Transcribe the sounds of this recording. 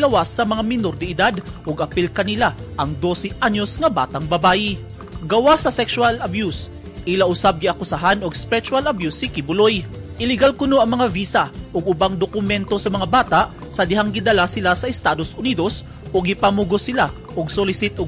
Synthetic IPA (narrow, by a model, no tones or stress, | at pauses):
lɐwasːɐmɐŋamɪnoɾd̪ɪɪd̪ad̪ʔoɡɐpilkɐnɪlaʔɐŋd̪o̞sɛʔaɲːo̞sŋɐba̰ːt̪ɐŋbɐbaːʔɪ | ɡɐwasɐsɛkswalɐbjus | ʔɪlaʔʊsab̚ɡɪɐkʊsaɦanoɡspɛɾɛt͡ʃʊalɐbjusɪkɪbʊlojʔɪlɪɡalkʊnoʔɐŋmɐŋaviːsɐʔoɡʊbaŋd̪okʊmɛnt̪o̞sɐmɐŋabaːt̪aʔ | sɐd̪ɪhaŋɡɪd̪ɐlasɪlasɐʔɛst̪aːd̪osʔʊniːd̪o̞s | ʔoɡɪpɐmuɡosɪla | ʔoɡ̚solɪsɪt̪o